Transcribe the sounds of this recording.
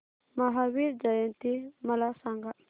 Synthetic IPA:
maɦawiɾd͡ʒajənt̪imalasaŋɡa

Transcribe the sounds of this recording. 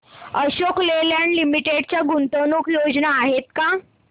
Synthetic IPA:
əɕokleljanlimiʈeɽt͡ɕjaɡunt̪ənukjod͡znaːɦet̪ka

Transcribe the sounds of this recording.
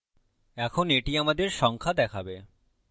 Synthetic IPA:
ɛkʰoneʈiamad̪eɾʃɔŋkʰad̪ɛkʰabe

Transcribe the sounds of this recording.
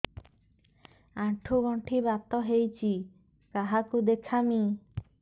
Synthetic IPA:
aʈʰubɔɳʈʰibat̪ɔɦejt͡ʃʰi | kaɦakud̪ekʰami

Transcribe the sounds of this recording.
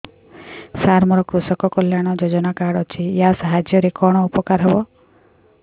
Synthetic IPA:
saɾmɔɾɔkɾusɔkɔkɔljaɽ̃ɔd͡ʒod͡ʒɔnakaɽɔt͡ʃʰijasaɦad͡ʒjɔɾekɔɽ̃ɔupɔkaɾɦebɔ

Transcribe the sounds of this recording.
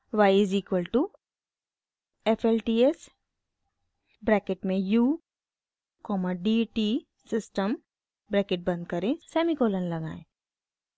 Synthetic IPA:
ʋaɪɪziːkwəlʈu | efʰelʈiːes | bɾɛːkeʈmẽjuː | kɔːməɖiʈi | sɪsʈəm | bɾɛːkɪʈ̚bɐ̃nd̪̚kɐɾẽsɛːmikoːlənlɐɡa̰ːḛ̃

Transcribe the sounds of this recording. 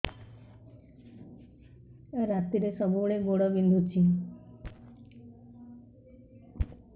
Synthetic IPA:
ɾat̪iɾesɔbuɭeboɽɔbind̪ʱut͡ʃʰi

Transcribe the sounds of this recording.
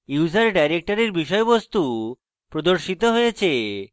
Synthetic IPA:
uwd͡ʑaɾɖajɾek̚ʈaɾeɾbiʃɔebost̪u | pɾod̪oɾʃit̪oɦojet͡ɕʰe

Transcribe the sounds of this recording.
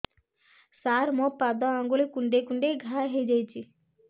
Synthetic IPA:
saɾmɔpad̪ɔaŋɡuɭikuɳɖekuɳɖeɡʱaɦed͡ʒajt͡ʃʰi

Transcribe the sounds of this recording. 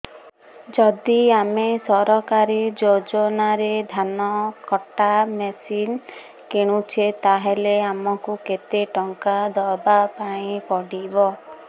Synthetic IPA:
d͡ʒɔd̪iamesɔɾɔkaɾid͡ʒod͡ʒɔnaɾed̪ʱanɔkɔʈːamesin | keɽ̃ut͡ʃʰet̪aɦeleamɔkuket̪eʈɔŋkad̪ɔbapaĩpɔɽibɔ

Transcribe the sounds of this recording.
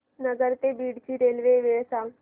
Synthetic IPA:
nəɡəɾt̪ebiːɽt͡ɕiɾeːlʋeʋeʋsa

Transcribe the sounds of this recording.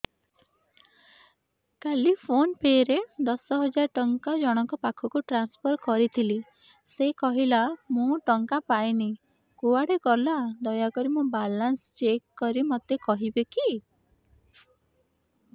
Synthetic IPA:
kalipʰonpeɾed̪ɔsɔɦɔd͡ʒaɾʈɔŋkad͡ʒɔɽ̃ɔŋkɔpakʰɔkuʈɾanspʰɔɾkɔɾit̪ʰili | sekɔɦilamũʈɔŋkapajni | kuaɽekɔlad̪ɔjakɔɾimũbalanst͡ʃekːɔɾimɔt̪ekɔɦibeki

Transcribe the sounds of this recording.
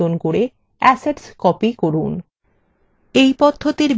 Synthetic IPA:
onkoɾe | ɛseɖskɔpikoɾun | ejpɔd̪ʱːot̪iɾ

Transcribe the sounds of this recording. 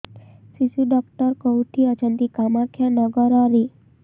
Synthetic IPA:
sisuɖɔkʈəɾkɔwʈʰiət͡ʃənt̪ikamakʰjanəɡəɾaɾi

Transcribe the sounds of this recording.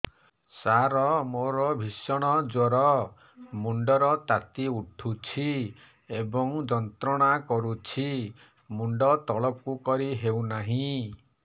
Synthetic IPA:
saɾɔmoɾɔbʱisɔɽ̃ɔd͡ʒoɾɔ | muɳɖɔɾɔt̪at̪iuʈʰut͡ʃʰi | ebɔŋd͡ʒɔnt̪ɾɔɽ̃akɔɾut͡ʃʰi | muɳɖɔt̪ɔɭɔp̚kukɔɾiɦewnaɦĩ

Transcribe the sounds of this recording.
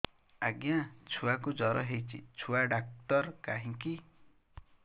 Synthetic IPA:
aɡjãt͡sʰuwakod͡zʌɾʌɦejt͡sʰḭt͡sʰuwaɖak̚t̪ʌrkaɦĩki

